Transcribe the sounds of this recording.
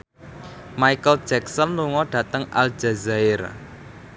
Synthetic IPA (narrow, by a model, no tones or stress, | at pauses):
maikəld̥d͡ʒɛksɔnluŋɔɖ̥ä̤t̪əŋa̰ld͡ʒazaɪr